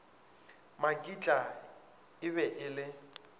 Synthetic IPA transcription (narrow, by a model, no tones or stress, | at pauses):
makʼit͡ɬʼa | ɪβɛʔɪlɪ